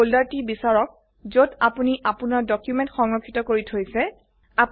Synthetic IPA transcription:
oldaɹtibisaɹɔk̚ | zodapuniʔapunaɹdɔkjumɛ̃ntxɔŋɹɔkʰːitɔkoɹitʰojsɛ | ap

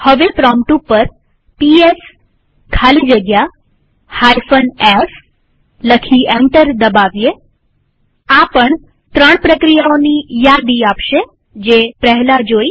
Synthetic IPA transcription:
həʋepɾɔmʈupːəɾ | pies | kʰalid͡ʒəɡja | hajfənes | ləkʰiɛ̃ɳʈəɾd̪əbaʋje | apəɳ | t̪ɾəɳpɾəkɾijaonijad̪iapʃe | d͡ʒepɾəɦlad͡ʒoi

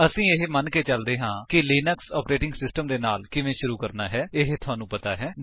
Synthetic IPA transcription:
əsĩːɪɦemənkeːt͡ʃəld̪eːɦãːkɪliːnəksɔːpɾeːʈɪŋɡsɪsʈəmd̪eːnaːlkɪʋẽːʃʊɾuːkəɾnaːɦɛːɪɦt̪ʰʊɦaːnũːpət̪aːɦɛː

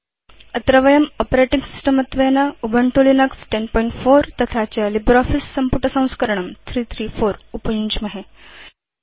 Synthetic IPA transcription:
ət̪ɾəʋəjəmɔpɾeʈiŋɡsi̥sʈəmət̪ʋenaubʱəɳʈolinəksʈenpɔiɳʈfoɾt̪ət̪ʰat͡ɕjalibɾɔfisːəmpuʈːəsãw̃skəɾəɳəmt̪ʰɾiːt̪ʰɾiːfoɾupəjuɲt͡ɕməɦe

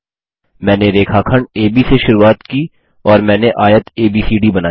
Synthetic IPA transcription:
mɛ̃ːneɾeːkʰaːkʰəɳɖeːbiseʃʊɾuːaːt̪kiː | ɔːɾmɛ̃ːneʔaːjət̪eːbiːsiːɖibɐnaː

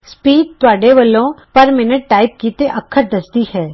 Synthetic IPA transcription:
spiːɖ̚t̪ʊaːɖeʋəlõpɐɾmɪnəʈʈaːɪp̚kiːt̪eʔɐkʰːəɾd̪ɐsd̪ihɛː

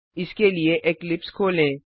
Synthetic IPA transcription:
ɪskelieʔeklɪpskʰoːlẽː

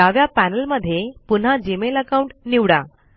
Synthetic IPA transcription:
aʋjapænəlməd̪ʱːjepun̤ad͡ʑimeləkauɳʈniwɽa̰

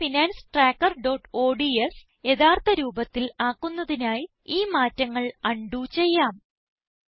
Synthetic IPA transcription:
finaːnsʈraːkːɐrɖo̞ːʈːo̞ːɖies | je̞ðaːrt̪ɐɾuːbɐt̪ːilaːkːunːɐðinaːj | iːmaːtːɐŋːɐɭɐɳɖut͡ɕe̞jːaːm

